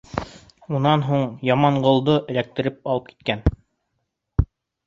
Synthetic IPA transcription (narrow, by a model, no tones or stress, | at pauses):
unɑnɦuɴjɑmɑɴɢŏlˠd̪oʔɘ̆læk̚t̪ɘ̆ɾɘp̚ɑlˠɤp̚ki̥t̪kæn